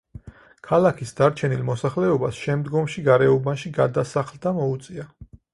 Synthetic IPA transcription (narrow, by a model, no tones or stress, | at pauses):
kʰalakʰisd̪aɾt͡ʃʰɛnilˠmɔsaχlɛɔbasʃɛmd̪ɡɔmʃiɡaɾɛɔbanʃiɡad̪asaχlˠd̪amɔut̪sʼia